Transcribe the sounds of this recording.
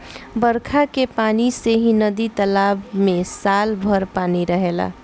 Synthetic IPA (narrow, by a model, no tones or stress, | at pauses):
bəɾkʰakepaːniseɦĩnəd̪it̪əlaːbmẽsaːlbʱəɾpaːniɾəɦela̰